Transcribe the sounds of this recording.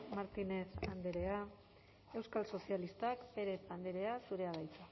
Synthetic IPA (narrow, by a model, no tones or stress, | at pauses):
maɾt̪ine̞θand̪eɾe̞a | e̞wskalso̞sialist̪akbe̞ɾe̞pand̪eɾe̞asuɾe̞aðajt͡s̪u